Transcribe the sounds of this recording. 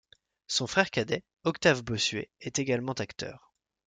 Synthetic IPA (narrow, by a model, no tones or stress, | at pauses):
sɔ̃fχɛʁkad̪ɛ | ɔkt̪avbɔsɥḛɛt̪eɡalmɑ̃t̪akt̪œ̰ːʁ